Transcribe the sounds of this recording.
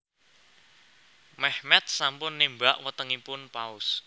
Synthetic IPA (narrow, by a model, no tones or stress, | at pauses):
mɛhmɛt̪̚sampʊnːimbaʔwət̪əŋipʊnpaʊs